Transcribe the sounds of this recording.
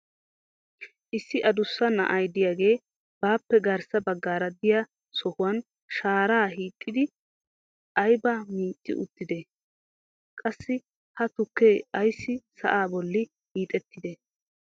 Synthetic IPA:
ʔɪsːɪʔɐd̪ʊsːɐnɐ̰ʔɐjd̪ɪjaːɡe̞ː | b̥aːpːɛɡɐɾsɐbɐɡːaːɾɐd̪ɪja | sɔhʊwɐn | ʃaːɾaːɦiːt̪ʼːɪd̪ɪ | ɐjbamiːt͡ʃʼːɪ̰ʔʊt̪ːɪd̪ɛ | kʼɐsːɪ | hɐt̪ʊkːeːɐjsːɪsɐ̰ʔaːbɔlːɪ | hiːt̪ʼɛt̪ːɪd̪ɛ

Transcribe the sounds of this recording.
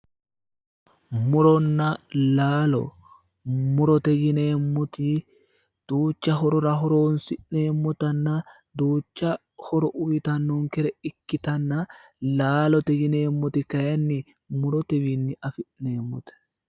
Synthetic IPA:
mʊɾɔnːɐlaːlɔ̰ | mʊɾɔt̪ɛɡɪneːmːɔt̪ɪ | d̪̥uːt͡ʃːɐɦɔɾɔɾɐɦɔɾoːnsɪʔneːmːɔt̪ɐnːɐ | d̪uːt͡ʃːɐ | hɔɾɔʔʊjɪt̪ɐnːɔŋkɛɾɛɪkːɪt̪ɐnːɐlaːlɔt̪ɛɡɪneːmːɔt̪ɪkɐjɐnːɪ | mʊɾɔt̪ɛbinːɪɐfɪʔneːmːɔt̪ɛ̥

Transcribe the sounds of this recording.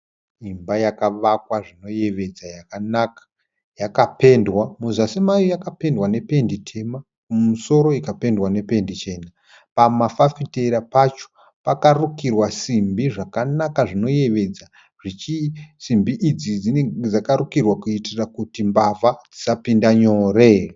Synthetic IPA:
imbajakaʋakwaʐino̞je̞ʋe̞d͡zajakanakḁ | jakape̞ndwamuzasimajojakape̞ndwane̞pe̞nditʰe̞ma | kumuso̞ɾo̞ikape̞ndwane̞pe̞ndit͡ʃe̞ːna | pamafafite̞ɾapat͡ʃo̥ | pakarukirwasimbiʐakanakaʐino̞je̞ʋe̞d͡za | ʐ̥it͡ʃisimbiʔid͡zid͡zineed͡zakaɾukirwakuitirakutimbavad͡zisapindaɲoːre

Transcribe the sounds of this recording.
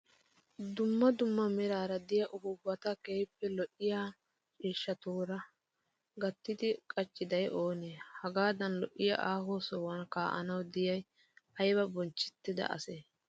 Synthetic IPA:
d̪ʊmːɐd̪ʊmːɐmɛɾaːɾɐd̪ɪjɐʔʊhʊbːɐt̪ɐkeːjpːɛlɔʔɪjaː | t͡ʃʼiːʃːɐt̪uːɾɐ | ɡɐt̪ːɪd̪ɪkʼɐt͡ʃːɪd̪ɐjʔo̞ːneːhɐɡaːd̪ɐnlɔʔːɪjɐ̰ʔaːhoːsɔwɐnkaːʔɐ̰nɐwd̪ɪjɐj | ʔɐjbɐbɔnt͡ʃːɪ̥t̪ːɪd̪ɐ̰ʔɐ̰seː

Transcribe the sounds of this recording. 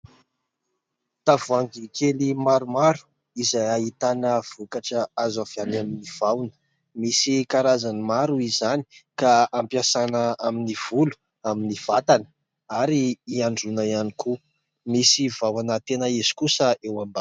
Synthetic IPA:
t̪avaŋɡikelimaɾumaɾu̥ | izajait̪anəv̥ukaʈ͡ʂəazavjanaminiv̥awnə̥ | misikaɾazanimaɾuizani̥kaampjasanəaminiv̥ulu̥ | aminiv̥at̪anə̥ | aɾiːaɳɖ͡ʐunaianiku | misivawanət̪enəizi̥kusəewamba

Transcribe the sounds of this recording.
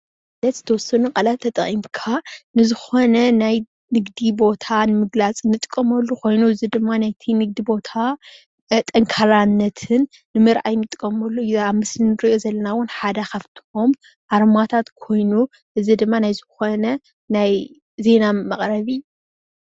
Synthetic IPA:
lɐt̪z̥ɨ̥t̪ʰɐwɔsːɐnukʼɐlatt̪ʰːɐt̪ʼɐχʼimkʰanɨzɨxo̞nɐnaj | nɨɡd̪ibo̞t̪ʰanɨmɨɡlat͡sʼnɨt̪ʼkʼːɐmɐlːukʰo̞jnuɨzid̪ɨmːanajt̪ʰinɨɡ̚d̪ibo̞t̪ʰa | t̪ʼɐŋkʰaɾanːɐt̪ʰɨnː | ɨmɨɾʔajnɨt̪ʼkʼːɐmɐlːuaβmɨslnɨɾʔozɐlːɐnawʊnħad̪akaβt̪ʰi̥hom | ʔaɾmat̪ʰat̪kʰo̞jnu | ʔɨzid̪ɨmːanajzɨxo̞nɐ | naj | ze̞namɐχʼɾɐβiu

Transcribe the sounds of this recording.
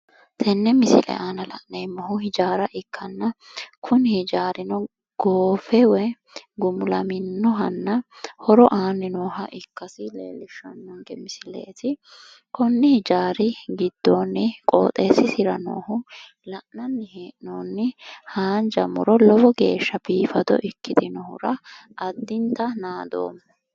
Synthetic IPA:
t̪ʰɛnːɛmɪsɪlɛ̰ʔaːnɐlɐ̰ʔnɛjmːɔɦʊhɪd͡ʒaːɾɐʔɪkʰːɐnːɐkʰʊnɪhɪd͡ʒaːɾɪnɔ | ɡ̥oːfɛwɛ | ɡʊmʊlɐmɪnːɔɦɐnːɐhɔɾɔʔaːnɪnoːɦɐʔɪkːɐsɪlḛːlɪʃːɐ̰nːɔŋɡɛmɪsɪlḛːt̪ɪ | kɔnːɪhɪd͡ʒaːɾɪɡɪd̪ːoːnːɪkʼo̰ːt̪ʼeːsɪsɪɾɐno̰ːhʊ | lɐʔnɐnːɪheːʔnoːnːɪhaːnd͡ʒɐmʊ̰ɾɔlɔbɔɡe̞̰ːʃːɐbiːfɐd̪ɔ̰ʔɪkːɪd̪ɪnɔhʊ̰ɾɐʔɐd̪ːɪnt̪ɐnaːd̪o̰ːm

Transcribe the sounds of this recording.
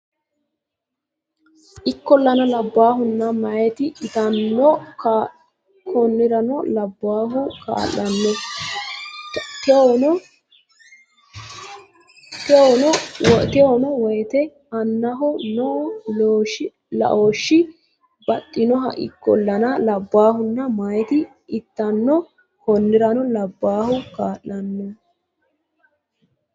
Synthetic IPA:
ʔɪkːɔlːɐnɐlɐbːaːɦʊnːɐmɐɛt̪ɪʔɪt̪ɐnːɔkː | kʰɔnːɪɾɐnɔlɐbːaːɦʊka̰ːlːɐnːɔ | t̪ɔ | t̪ɔnɔwɔt̪ɪɔnɔwɔjt̪ɛ | ɐnːɐɦɔnɔʔloːʃɪ | lɐ̰ʔoːʃːɪ | bɐt̪ʼːɪnɔɦɐ̰ʔɪ̰kːɔlːɐnɐlɐbːaːhʊnːɐmɐjt̪ɪ | ɪt̪ːɐnːɔ | hɔnːɪɾɐnɔlɐbːaːhʊkaːlːɐnːɔ

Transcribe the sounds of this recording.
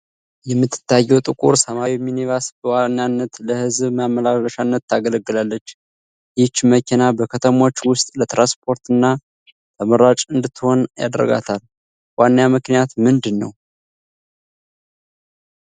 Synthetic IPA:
jɛmːɨt̪ʰːɨ̥t̪ːajːɛwt̪ʼɨkʼuɾsəmawiminivasbəwanːjanːət̪ləhɨzbmamːəlaləʃanːət̪ːaɡələɡːɨlalːət͡ʃː | jɪt͡ʃːməkʰenabəkʰət̪ʰəmo̞t͡ʃːwʊst̪ʼlət̪ɾanspʰo̞ɾt̪ɨnːa | t̪ʰəməɾat͡ʃʼɨnd̪ɨt̪ʰːɨho̞nja̰d̪əɾə̰ɡa̰t̪ʰal | wanːjamɨknijat̪mɨnd̪ɨnːə̰w

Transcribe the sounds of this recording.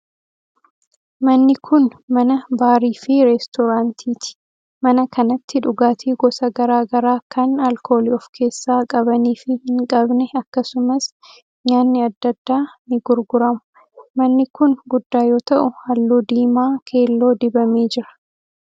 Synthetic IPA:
mɐnːɪkʰʊnmɐnɐbaːɾiːfɪɾɛst̪ɔɾaːnt̪ʰiːt̪ɪ̥ | mɐnɐkʰɐnɐt̪ːɪᶑʊɡaːt̪ʰiːɡɔsɐɡɐɾaːɡɐɾaːkʰɐnɐlkʰo̞ːliɔfkʰe̞ːsːaːkʼɐbɐniːfɪhɪŋkʼɐbnɛɐkːɐsʊmɐs | ɲaːnːɪɐd̪ːɐd̪ːaːnɪɡʊɾɡʊɾɐmʊ̥ | mɐnːɪkʊnɡʊd̪ːaːjo̞ːt̪ɐʔʊhɐlːoːd̪iːmaːkʰe̞ːlːo̞ːd̪ɪbɐmeːd͡ʒɪɾɐ̥

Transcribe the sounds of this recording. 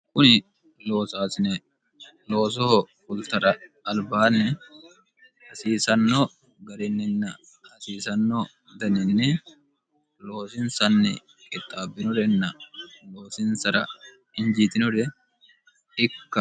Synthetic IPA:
kʼʊnɪ | lo̞ːsaːsɪnɛ | lo̞ːs̬ɔhɔkʊlt̪ɐɾɐːlbaːnːɛ | hɐsiːsɐnːɔ | ɡɐɾɪnːɛnːɐ | hɐsiːsɐnːɔ | d̪ɐnɪnːɛ | lo̞ːsɪnsɐnːɛ̰ | kʼɪt̪ʼːaːbːɪnɔd̪ɛnːɐlo̞ːsɪnsɐɾɐ̰ | ɪnd͡ʒit̪ɪnɔd̪ɛ | ɪkːɐ

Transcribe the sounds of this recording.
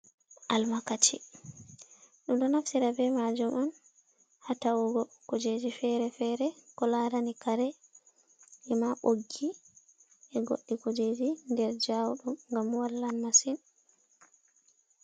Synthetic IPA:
ʔalmakat͡ʃi | ɗumɗɔnafsiɾabɛmad͡ʒumɔn | hatawɔɡɔkod͡ʒed͡ʒifɛɾɛfɛɾɛkɔlaɾanikaɾɛ | ʔɛmaɓoɡːi | ʔɛɡo̰ɗːikod͡ʒed͡ʒindɛɾd͡ʒawuɗumŋɡamwalːanmasin

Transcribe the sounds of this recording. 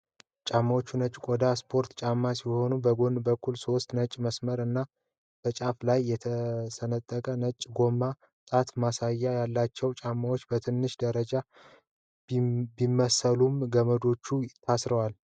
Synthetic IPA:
t͡ʃʼamːawot͡ʃːunət͡ʃʼkʼod̪aspʰo̞ɾt̪t͡ʃʼamːasiho̞nubəɡo̞nbəkʰːulso̞st̪nət͡ʃʼːməsməɾɨnːa | b̥ət͡ʃʼaflajːɛt̪ʰəsənət̪ʼːəkʼənət͡ʃʼːɡo̞mːa | t̪ʼat̪masajːajalːat͡ʃːɛwt͡ʃʼamːawo̞t͡ʃːbət̪ʰɨnːɨʃd̪əɾəd͡ʒa | bimːəsəlumɡəməd̪o̞t͡ʃːuɪt̪ʰːasɾəwal

